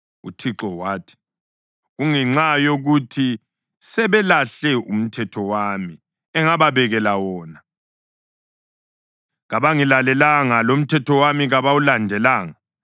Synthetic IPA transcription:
ṵtʰiǁɔwaːtʰi̥ | ɣuŋɛŋ͡ǀajoɣutʰi | sɛβɛlaɬɛʔum̩tʰɛtʰɔwami | ɛŋaβaβɛɣɛlawɔːna | ɣaβaŋilalɛlaŋalom̩tʰɛtʰɔwamiɣaβawulandʱɛlaːŋa

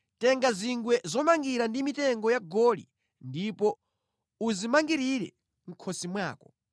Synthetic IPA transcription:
tɛŋɡaziŋɡwɛzɔmaŋɡiɾandimitɛŋɡɔjaɡɔlḭ | ndipɔ | uzimaŋɡiɾiɾɛ̰ | ŋ̩kʰɔsimwaːkɔ̥

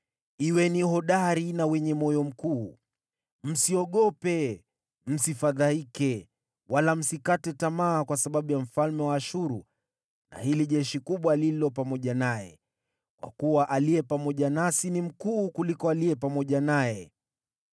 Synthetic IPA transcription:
iwɛniɦɔɗaɾinawɛɲɛmɔjɔm̩kuː | m̩siɔɠɔpɛ | m̩sifaðaikɛ | walam̩sikatɛtamaːkwasaɓaɓujam̩falmɛwaːʃuɾu | na̰hiliʄɛʃikuɓwalilɔpamɔʄanajɛ̰ | kwa̰kuwaʔaliɛpamɔʄanasinim̩kuːkulikɔaliɛpamɔʄanajɛ

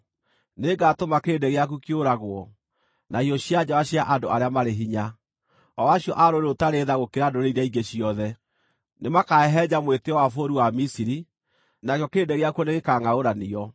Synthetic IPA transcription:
neɡatomakeːndɛɣeak̬ukioɾaɣwɔ | naiɔɕiad͡ʑawaɕiaʔadoaɾeamaɾeɦiɲa | ɔwaɕjɔʔaɾoɾeotaɾeðaɣokeɾandoɾeiɾaiɡeɕiɔðɛ | nemakaɛɦɛd͡ʑamweteɔwafoɾiwamisiɾi | nakjɔkeːndɛɣeakuɔneɣekaŋaoɾaniɔ

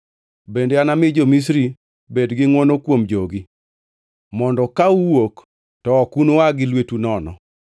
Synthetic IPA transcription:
bendeanamɪd͡ʒomis̬ɾi | bedɡɪŋwɔnokwomd͡ʒoɡi | mɔndɔkauwok | tɔɔkunoaɡɪlwetunɔnɔ̰

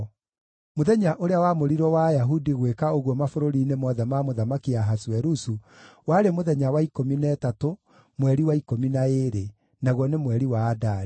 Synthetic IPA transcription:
moðɛɲaʔoɾeawamoɾiɾɔwajaɦudiɣwekaoɣwɔmafoɾoɾinemɔðamamoðamakiaɦaswɛɾusu | waɾemoðɛɲawaikominɛtato | mwɛɾiwaikominaeɾe | naɣwɔnemwɛɾiwaːdaɾi

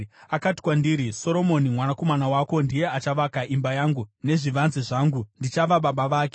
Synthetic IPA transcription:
akati̥kwandiɾiso̞ɾo̞mo̞nimwanako̞manawako̞ndije̞at͡ʃaʋakaʔimbajaːŋɡune̞ʐiʋanziʐaːŋɡundit͡ʃaʋaɓaɓaʋaːke

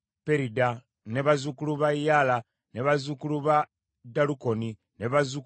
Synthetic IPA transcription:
pe̞ɾida | ne̞βazukuluβajala | ne̞βazukuluβa | daluko̞ni | neβazuk

